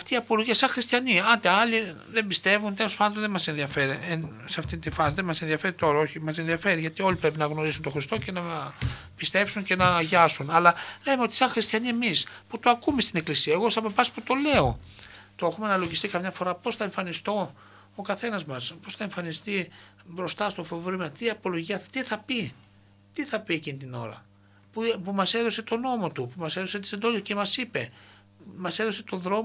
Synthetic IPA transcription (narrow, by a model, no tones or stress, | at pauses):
ɐft̪iːɐpo̞loʝiɐsɐŋxɾist̪çɐniɐnd̪eɐli | ðembist̪e̞vunt̪e̞lo̞spɐnd̪onðemɐse̞nðiɐfe̞ɾienseɐft̪int̪ifɐsiðemɐsenðiɐfe̞ɾit̪o̞ɾɐo̞çimɐse̞nðiɐfe̞ɾiʝɐt̪io̞lipɾe̞p̬inɐɣno̞ɾisunt̪o̞xɾist̪o̞ce̞nɐpist̪e̞psunce̞nɐʝɐsunɐlɐlemeo̞t̪i̥sɐŋxɾist̪çɐniemisput̪oɐkume̞st̪ine̞klisiɐeɣo̞sɐpofɐsput̪o̞le̞o̞t̪oexumeɐnɐloʝist̪ikɐmɲɐfo̞ɾɐpo̞sθɐeɱfɐnist̪o̞ | okɐθe̞nɐzmɐspo̞sθɐe̞ɱfɐnist̪ibɾo̞st̪ɐst̪o̞fo̞vɾimɐt̪iɐpo̞lo̞ʝiɐt̪iθɐpi | t̪iθɐpiecinit̪ino̞̰ɾɐ̰ | pupumɐse̞ðo̞se̞t̪o̞no̞mo̞t̪upumɐse̞ðo̞set̪isind̪o̞licemɐsipe̞ | mɐse̞ðo̞se̞t̪o̞ðɾo̞m